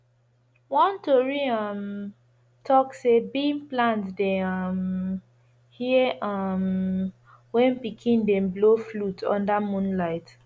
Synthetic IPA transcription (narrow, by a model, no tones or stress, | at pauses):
wɔ̃ntɔɹiʌm | tʰɔksebĩmplãntdɛʌm | hiʌm | wɛ̃npikʰĩndɛ̃mbloflutʰɔ̰̃ndamũnlaɪt